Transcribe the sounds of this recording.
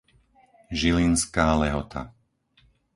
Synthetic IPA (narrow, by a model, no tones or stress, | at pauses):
ʒilinskaːlɛɦɔt̪ʰa̰